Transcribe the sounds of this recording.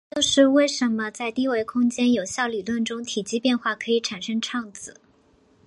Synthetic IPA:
t͡ɕjo˥˧ʊʂɻ̩˥˧we˥˩ɪʂə˧˥nmə˧t͡sa˥˧ɪt̪i˥˧we˥ɪkʰʊ˥ŋt͡ɕjɛ˥njo˨˩ʊɕjɑ˥˩ʊly˨˩lwə˥˩nʈ͡ʂʊ˥ŋt̪ʰi˨˩t͡ɕi˥pjɛ˥˧nxwa˥˩kʰɤ˧˥i˨˧˥ʈ͡ʂʰa˨˩nʂɤ˥ŋʈ͡ʂʰɑ˥˩ŋt͡sɹ̩˨˩˦

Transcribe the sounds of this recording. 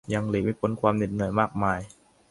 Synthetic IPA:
ja˧ŋliː˨˩k̚miː˧˥˩pʰo˨˦nkʰwaː˧mne˨˩t̪̚nɯ˨˩əjmaː˥˩k̚maː˧j

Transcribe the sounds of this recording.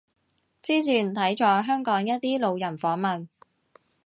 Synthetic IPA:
t͡siː˥t͡sʰiː˨˩nt̪ʰɐ˨˥jt͡ʃɔː˧ɦœː˥ŋkɔː˨˥ŋjɐ˥t̚t̪iː˥lo˨˧wjɐ˨˩nfɔː˨˥ŋmɐ˨n

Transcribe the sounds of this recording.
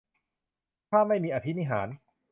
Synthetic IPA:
kʰaː˥˩mːa˥˩jmiː˧ʔa˧t̪ʰi˦˥ni˧ɦaː˩˦n

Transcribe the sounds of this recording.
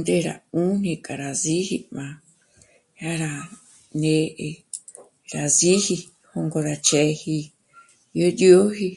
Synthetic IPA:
nd̪e˧ɾa̰˨ũ˦n̥ĩ˧kʼa˨ɾa˨zi˦hi˧mã˧ | ja˦ɾa˧ | nẽ˧ʔe˧ | ɾa˨zi˦hi˧ | ho˧ŋɡo˧ɾa˧t͡ʃe˧hi˧ | jo˦do˦ɦi˧

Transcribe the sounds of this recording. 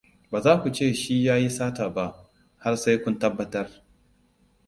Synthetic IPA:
baː˨zaː˦kʷu˨t͡ʃeː˦˨ʃiː˦jaː˦ji˦saː˦taː˨ba˦˨ʔ | ha˦rsa˦jkʷʊ˦ntɐ˦bːɐ˨tɐ˦r

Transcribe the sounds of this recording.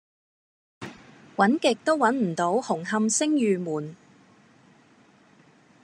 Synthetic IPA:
wɐ˨˥nkɪ˨k̚t̪o˥wwɐ˨˥nm̩˨˩t̪o˨˥whʊ˨˩ŋɦɐ˧msɪ˥ŋjyː˨muː˨˩n

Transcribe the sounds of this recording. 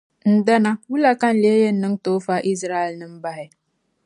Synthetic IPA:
n̩˦da˦na˦wu˦la˦ka˦n̩˦˨le˨˦e˦je˦nː˦ɨ˦ŋ˦toː˦fa˦ʔi˦s̬ɾa˦jɛ˨lnɨ˦m̩˦ba˦ɦɪ˨

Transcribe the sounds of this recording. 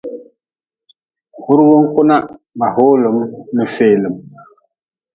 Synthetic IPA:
hu˦ɾwo˦ŋ˦ku˦na˦ | ma˨ho˦lo˨mmə˨feː˨lə˨m

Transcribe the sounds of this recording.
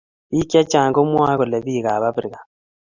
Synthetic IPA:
i˦kja˦t͡ʃaː˨ŋɡo˦mwaː˦ɣo˨le˨βiː˦˨ɣa˨βa˦βɾi˨ɣa˨

